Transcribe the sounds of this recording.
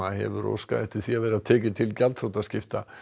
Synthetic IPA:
aɦɛ̰vʏɾo̰wska̰ðɛht̪ɪ̥ɾ̥θiavɛːɾɪɾaðt̪ʰɛːc̬ɪt̪ʰɪlcalt̪fɾowt̪ascɪft̪a

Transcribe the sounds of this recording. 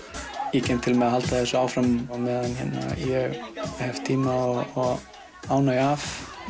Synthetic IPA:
icɛmt̪ʰɪlmɛðaɦalt̪aθɛsʏaːwfɾamwmɛːðanhɛnːa̰jɛɣhɛvt̪ʰiːmaɔɔ | aːwnaɣav

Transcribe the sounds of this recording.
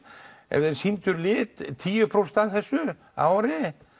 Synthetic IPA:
ɛ̰vðɛɾsint̪ʏɾlɪːt̪t̪ʰiːjʏpʰɾowst̪aðθɛsːʏ | a̰ːwɾɪ

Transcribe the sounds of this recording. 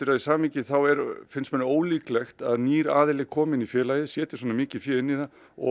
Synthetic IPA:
ɪɾajɪsaːmiːcɪθawɛɾfɪnsmɛnoːwliːklɛxt̪aðniːɾaːðɪlɪɣkʰɔːmɪnifjɛːlajðɪsjɛːt̪ɪ̥ɾsɔːnamɪːcɪfjɛːɾɪnːiða | ɔ̰

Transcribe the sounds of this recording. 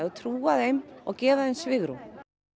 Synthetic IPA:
aðt̪ʰɾuːaðejmɔ̰ɣcɛːvaðejnsvɪɣɾṵ

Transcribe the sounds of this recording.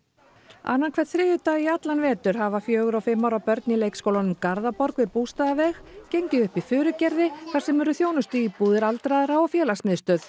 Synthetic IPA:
a̰nːankʰvɛɾt̪θɾɪːjʏt̪aiat̪lanvɛːt̪ʏɾ̥ɦavafjœːɣʏɾawfɪmːawɾawpœɾt̪nɪileːjkskowlanʏmkaɾðapɔɾkvɪðpuːst̪aðavɛxcejɲcɪʏhpifʏːɾʏcɛɾðɪθḁsɛmɛɾʏθjownʏst̪ʏipuːðɪɾalt̪ɾaðɪɾaɔfjɛːlasmɪðst̪œːð̥

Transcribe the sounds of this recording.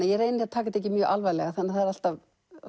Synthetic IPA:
ajɛɾreːjnɪɾat̪ʰaːkat̪ɛhc̬ːɪmjœːʔalvajlɛɣaθanːaθaðɛɾal̥t̪av

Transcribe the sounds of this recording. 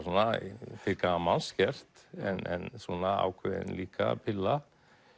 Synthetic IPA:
nafɪkamanscɛr̥t̪ɛnɛnsɔnaa̰ːwkʰvɛðɪ̰nliːka̰pʰɪlːa

